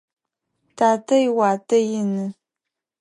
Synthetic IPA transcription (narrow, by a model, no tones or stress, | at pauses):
tʰaːtʰɐjɪwaːtʰɐjɪnɨ